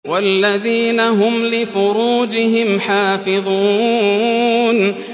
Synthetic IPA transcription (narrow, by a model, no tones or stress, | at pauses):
walːaðiːnaɦʊmlɪfʊɾuːd͡ʒɪɦɪmħaːfɪðˤuː | n